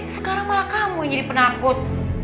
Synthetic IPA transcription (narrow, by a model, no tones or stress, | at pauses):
sə̥kaɾaŋmalakamuiɲadipənakʊt̪̚